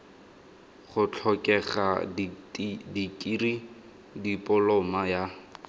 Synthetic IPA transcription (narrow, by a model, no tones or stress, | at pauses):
χʊt͡ɬʰɔkʼɛχa̰ | dikʼiri | dipʼʊlɔmaja